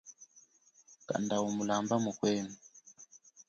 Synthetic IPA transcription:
ka̰ndawumulambamukwɛnu

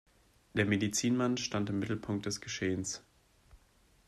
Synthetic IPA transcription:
d̥eːɐmedit͡siːnmanʃtantɪmːɪtl̩pʰʊŋk̚t̚d̥ɛsɡ̥əʃeːəns

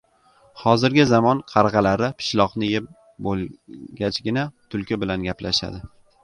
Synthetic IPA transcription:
hɒzɪɾɡʲɪzamɒnqʰɑɾʁɑlaɾɪpʰɪ̥ʃlˠɒqnɪjɪp̚ | bolɡʲat͡ʃɡʲɪnat̪ʰʊlkʲʰɪbɪlanɡʲaplaʃa̰d̪ɪ

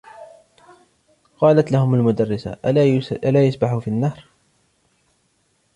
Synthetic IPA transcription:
qɑːlat̪lahʊmalmʊd̪arːɪsa̰ʔʔalaːjasbaħufiːnːahɾ

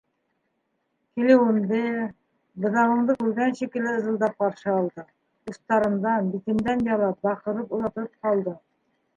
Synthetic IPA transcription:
kilɘwɘ̆nd̪ɘ | bɤ̆ðɑʁɤ̆ɴd̪ɤkʉɾɡænɕikɘ̆lɘɤ̆zɤ̆lˠd̪ɑp̚qɑɾʃɤɒlˠd̪ɤ | ust̪ɑɾɤ̆nd̪ɑnbit̪ɘ̆md̪ænbɑlˠɑp̚bɑqɤ̆ɾɤpulˠɑt̪ɤp̚qɑlˠd̪ɤ

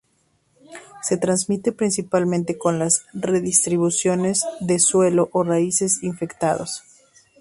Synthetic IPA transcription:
se̞t̪ɾanzmit̪e̞pɾinsipalmẽnt̪eko̞nlasre̞ðist̪ɾiβusjo̞ne̞zðe̞swe̞lo̞ʔoraise̞siɱfe̞kt̪aðo̰s

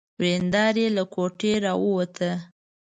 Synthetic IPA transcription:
wɾend̪ɑɾelakoʈeɾɑwəwat̪ʰə

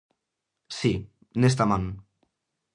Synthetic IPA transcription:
si | nest̪aman

